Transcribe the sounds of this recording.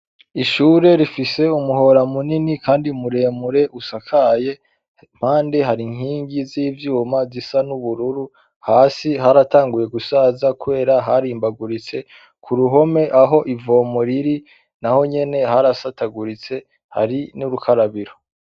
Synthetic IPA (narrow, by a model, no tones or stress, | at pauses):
iʃuːɾe̞ɾifise̞umuho̞ɾamuninikaːndimuɾe̞ːmuɾe̞ʔusakʰaje̞ | m̥haːndiɦaɾiŋhiːɲɡiziːvjuːmazisanuβuɾuɾu | haːsiɦaɾataːŋɡuje̞ɡusaːzakuβe̞ːɾaɦaɾiːmbaɡuɾit͡se̞ | kʰuɾuɦo̞me̞ʔaɦo̞ʔivo̞ːmoɾiɾi | naho̞ɲe̞ne̞ɦaɾasataɡuɾit͡se̞ | ha̰ɾinuɾukʰaɾaβiɾo